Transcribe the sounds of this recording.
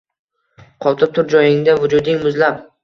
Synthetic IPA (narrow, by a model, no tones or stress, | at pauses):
qʰɒt̪ʰɪp̚t̪ʰʊɾd͡ʒɒjɪŋd̪avʊd͡ʒʊd̪ɪŋmʊzlap